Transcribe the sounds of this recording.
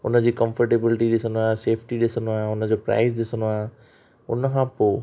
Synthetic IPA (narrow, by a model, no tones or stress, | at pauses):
ʊnə̆d͡ʑiːkə̃mfəɾʈeːbɪlɪʈiɗɪsə̃nd̪oaːɦẽseːpʰʈiɗɪsəndoaːɦẽʊnə̆d͡ʑopɾa̰ːɪzɗɪsənd̪oaːɦẽ | ʊ̰nəkʰãpoː